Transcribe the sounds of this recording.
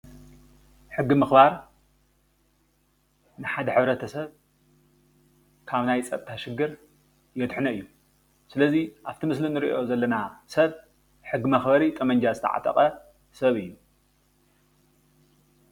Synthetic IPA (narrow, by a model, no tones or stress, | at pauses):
ħɨɡːimɨxbaɾ | nɨħad̪ɐħɨβɾɐt̪ʰɐsɐβ | kʰaβnajt͡sʼɐ̰t̪ʰaʃɨɡːɨɾ | jɛt̪ħnɐɨjːu | sɨlɐziʔaβt̪ʰimɨslinɨɾḭʔo̞zɐlːɐnasɐβ | ħɨɡːɨmɐxbɐɾit̪ʼɐmɐɲd͡ʒazɨt̪ʰɐ̰ʕa̰t̪ʼɐ̰χʼɐ | sɐβɨjːu